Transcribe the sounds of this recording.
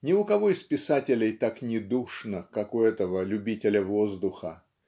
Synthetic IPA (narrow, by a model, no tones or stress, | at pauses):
nʲɪʊkɐvo̞ɪspʲɪsatʲɪlʲɪjt̪aknʲɪd̪uʂnəkakʊɛt̪əvəlʲʉbʲitʲɪlʲəvozd̪ʊxə̰